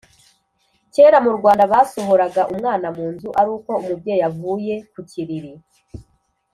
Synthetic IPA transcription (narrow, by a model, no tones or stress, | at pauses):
ce̞ːɾamuɾɡwaːndaβaso̞ɦoɾaɡaʔumŋaːnamuːnzuʔaɾuːko̞umub̚ɟeːjavuːje̞kucʰiɾiɾi